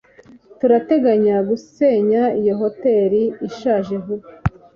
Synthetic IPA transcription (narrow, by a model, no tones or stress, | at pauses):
tuɾate̞ɡaɲaɡuseɲaijoɦo̞te̞ɾiːʃaːʒe̞ɦu